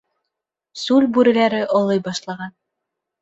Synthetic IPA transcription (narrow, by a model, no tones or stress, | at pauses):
sʉlʲbʉɾɘ̆læɾɘʔŏlˠɤjbɑʃlˠɑʁɑn